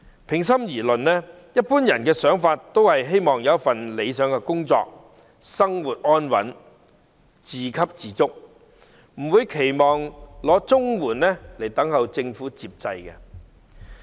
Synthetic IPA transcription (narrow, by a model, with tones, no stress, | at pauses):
pʰɪ˨˩ŋs̬ɐ˥mjiː˨˩lɵ˨nnɛ˥ | jɐ˥t̚puː˥njɐ˨˩nkɛː˧sœː˨˥ŋfaː˧tt̪o˥whɐ˨jɦe˥jmɔː˨˩ŋjɐ˨˦ɐ˥tfɐ˨nle˨˧jsœː˨˥ŋkɛː˧kʊ˥ŋt͡sɔ̰ː˧k̚ | sɐ˥ŋwuː˨˩t̚ʔɔː˥nwɐ̰˨˥n | t͡siː˨kʰɐ˥p̚t͡siː˨˥t͡sʊ˥k̚ | m̩˨˩wuː˨˧jkʰe˨˩jmɔː˨ŋlɔː˨˧˥t͡sʊ˥ŋwuː˨˩nlɛ˥le˨˩jt̪ɐ˨˥ŋɦɐ˨wt͡sɪ˧ŋfuː˨˥t͡siː˨p̚t͡sɐ˧jkɛ˧